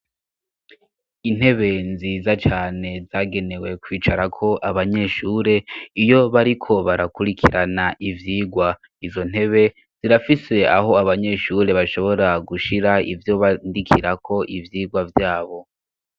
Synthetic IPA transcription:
in̥he̞βe̞nziːzat͡ʃaːne̞zaːɡe̞ne̞we̞kwiːt͡ʃaɾakʰo̞ʔaβaɲe̞ʃuːɾe̞ijo̞βaɾikʰo̞βaɾakuɾikʰiɾanaʔivjiːɡwa | izo̞n̥e̞βe̞ | z̥iɾafise̞a̰ɦo̞aβaɲe̞ʃuɾe̞βaʃo̞βo̞ɾaɡuʃiɾaivjo̞βandikʰiɾakʰo̞ʔivjiːɡwavjaːβo̞

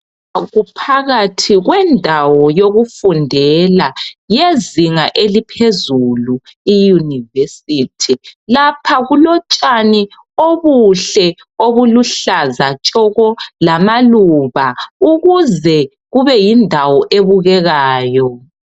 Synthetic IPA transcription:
ɣupʰaɣatʰiɣwɛndʱawɔjoɣufundʱɛlajeziŋaʔelipʰezuluijunivesitʰilapʰaɣulɔt͡ʃʼani | oβuɬɛ | oβuluɬazat͡ʃʼɔɣɔlamaluβauɣuzɛ | ɣuβɛjindʱawɔʔeβuɣɛɣaːjɔ

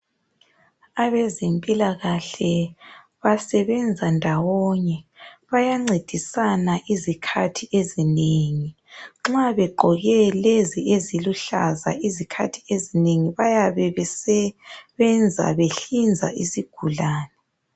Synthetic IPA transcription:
aβɛzempʼilaɣaɬɛ | βasɛβɛnd͡zʱandʱawɔɲɛβajaŋ͡ǀed̥ʱisanaʔizikʰatʰiezineŋi | ŋ͡ǁaβɛɡ͡ǃʱɔɣɛleziʔeziluɬaza̰ʔizikʰa̰tʰi̥ezineŋiβajaβɛsɛβɛnd͡zʱa̰βeɬind͡zʱa̰ʔisiɡ̥ʱulaːnɛ

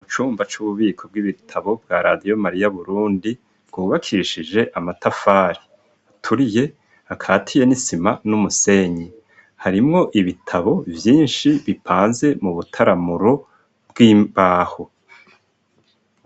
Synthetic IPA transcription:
uut͡ʃuːmbat͡ʃuβuβiːkʰo̞b̚ɡiβitʰaβo̞bɡaːɾadijo̞maɾijaβuɾuːndi | b̥ɡ̥uːβakʰiʃid͡ʒe̞ʔamatafaːɾi | atʰuɾije̞ | akʰaːtʰije̞nisimanumuse̞ɲi | haɾimŋo̞ʔiβitʰaβo̞vjiːnʃiβipʰaːnze̞muβutʰaɾamuɾo̞ | bɡiːmbaːho

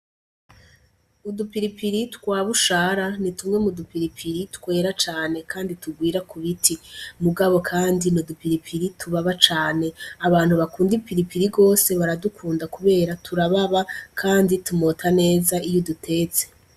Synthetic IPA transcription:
udupiɾipiɾitwaːβuʃaːɾanitumŋe̞mudupiɾipʰiɾitkwe̞ːɾat͡ʃaːne̞kʰaːndituɡwiːɾakuβitimuɡaβo̞kʰaːndinodupiɾipʰiɾitʰuβaβat͡ʃaːne̞aβaːn̥huβakuːndipiɾipiɾiɡo̞ːse̞βaɾadukʰuːndakuβe̞ːɾatʰuɾaβaβakʰaːnditumotʰane̞ːzaijodutʰe̞ːt͡se̞̥

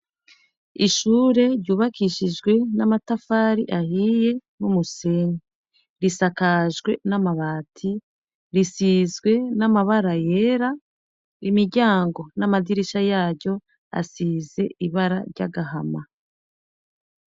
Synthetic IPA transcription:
iʃuːɾe̞ɾɟuːβakiʃiʒɡwe̞namatafaːɾiʔahije̞numuseni | ɾisakaʒɡwe̞namaβaːtʰi | ɾisizɡwe̞namaβaɾaje̞ːɾa | imiɾɟaːŋɡo̞namadiɾiʃajaːɾɟo̞ | a̰size̞ʔiβaɾaɾɟa̰ɡaɦama̰

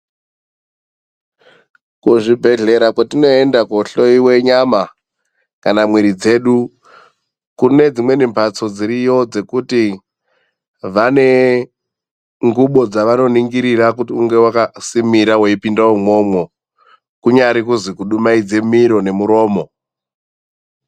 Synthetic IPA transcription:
kuʐibʱe̞ɮe̞ɾakwatino̞e̞ndakoɬo̞iwe̞ɲama | kanamwiɾid͡ze̞ɗu | kune̞d͡zimwe̞nimpʰat͡so̞d͡ziɾijo̞d͡ze̞kuti | ʋane̞ | ŋɡuɓo̞d͡zaʋano̞niŋɡiɾiɾakutiuŋɡe̞wakasimiɾaweipindaomo̞mwo̞ | kuɲaɾikuzikuɗumaid͡ze̞miɾo̞ne̞muɾo̞ːmo̞

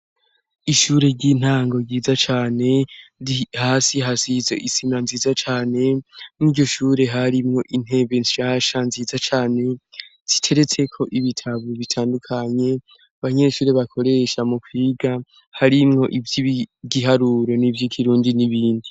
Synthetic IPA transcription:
iʃuːɾe̞ɾɟiːn̥haːŋɡo̞ɟiːzat͡ʃaːne̞ | haːsiɦasizeʔisimanziːzat͡ʃaːne̞nniːɟo̞ʃuːɾe̞ɦaɾimŋo̞ʔin̥e̞βenʃaːʃanziːzat͡ʃaːne̞z̥itʰe̞ɾe̞t͡se̞kʰo̞ʔiβitʰaβoβitʰaːndukʰaɲe̞ | aβaɲe̞ːʃuːɾe̞βakʰo̞ɾe̞ʃamukʰwiːɡa | haɾimŋo̞ʔivjiɟiɦaɾuːɾo̞nivjikʰiɾuːndiniβiːndi

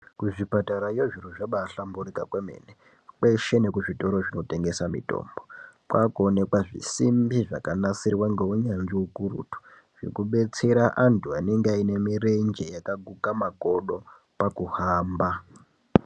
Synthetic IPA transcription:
kuʐipataɾajeʐiɾuʐaɓaːɬamburikakwemḛːne | kwe̞ʃe̞ne̞kuʐito̞ɾo̞ʐino̞te̞ŋɡe̞samḭto̰ːmbopwakone̞kwaʐḭsimbiʐakanasirwaŋɡeuɲanʐiukurṵtu̥ | ʐḛkuɓe̞t͡se̞ɾaʔantʰuane̞ŋɡeaine̞mire̞nd͡ʒe̞jakaɡʱukamako̞ɗo̞ | pakuhaːmba

